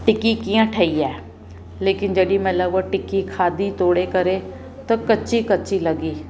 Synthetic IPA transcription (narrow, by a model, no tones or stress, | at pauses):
ʈɪkikijãʈʰəːiːɛː | leːkɪnd͡ʒəɗimɛ̃ləɡoʈɪkikʰaːd̪iːt̪oːɽeːkəɾe | t̪ãkət͡ʃiːkət͡ʃiləɡiː